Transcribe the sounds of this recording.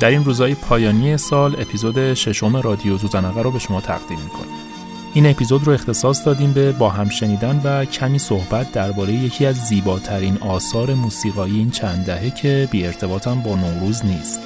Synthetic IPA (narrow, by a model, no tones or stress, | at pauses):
d̪̥æɾinruːzɒːjepʰɒːjɒːnije̞sɒːle̞pʰizod̪e̞ʃe̞ʃo̞me̞ɾɒːd̪ijozuːzænɒɣæɾobe̞ʃo̞mɒːt̪ʰæ̰ʁd̪imːikʰo̰ni | ʔiːne̞pʰizo̞d̪ɾoext̪e̞sɒːsd̪ɒːd̪iːmbe̞bɒːɦæmʃe̞niːd̪ænvæcʰæmiːsohbæt̪̚ʰd̪æɾbɒːɾe̞jeje̞cʰiːæzːiːbɒːt̪ʰæɾiːnɒːsɒːɾe̞muːsiːɣɒːjiiːnt͡ʃʰænd̪d̪æɦe̞cʰe̞biːe̞ɾt̪ʰe̞bɒːt̪ʰæmbɒːnoɾuːzniːst̪t̪